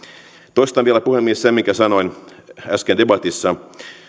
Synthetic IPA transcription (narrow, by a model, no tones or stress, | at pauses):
t̪oist̪ɑʋʋielæpuhemːiessemiŋkæsɑno̞inæskendebɑt̪isːɑ